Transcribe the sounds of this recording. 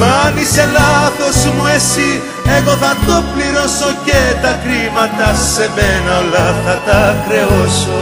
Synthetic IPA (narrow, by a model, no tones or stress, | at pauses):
vɐnise̞lɐθo̞zmuesi | eɣo̞θɐt̪o̞pliɾoso̞cet̪ɐkɾimɐt̪ɐse̞menɐolɐθɐt̪ɐkɾe̞oso